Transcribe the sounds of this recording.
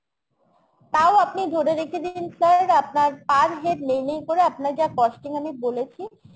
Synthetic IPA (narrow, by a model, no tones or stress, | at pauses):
t̪aoapnid̪ʱoɾeɾekʰed̪iinsəɾapnaɾpaɾɦeɾlejnejkoɾeapnaɾd͡ʑakɔʃʈiŋamibolet͡ɕʰi